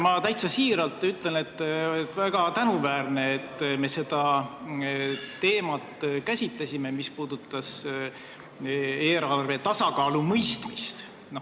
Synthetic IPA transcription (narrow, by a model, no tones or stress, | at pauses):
mɑt̪æjt̪sɑsiːɾɑlt̪ːˑyt̪ˑle̞lne̞t̪ːt̪ːvæɡ̥ɑt̪ænuvæːrne̞ːt̪ːˑme̞se̞d̪̥ɑ | t̪e̞ːmɑt̪ːkæsʲit̪lesʲime̞mispuːd̪̥ut̪ːˑɑs | eːɾɑrve̞t̪ɑsɑkɑːlumɤjst̪mist̪ | no